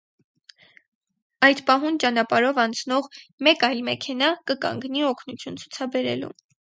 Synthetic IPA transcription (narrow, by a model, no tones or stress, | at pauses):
ɑjd̪pɑɦunt͡ʃɑnɑpɑɾɔvɑnt͡sʰnɔʁmɛkɑjlmɛkʰɛnɑkəkɑ̰ŋɡniɔkʰnut͡sʰjunt͡sʰu̥t͡sʰɑbɛɾɛ̰lṵ